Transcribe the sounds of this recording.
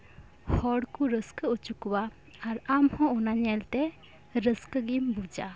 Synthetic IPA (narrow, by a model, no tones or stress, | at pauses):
hɔɽkuɾəskəut͡ʃukwa | aɾamhɔ̃ɔnaɲɛlt̪ɛ | ɾəskəɡimbud͡ʒa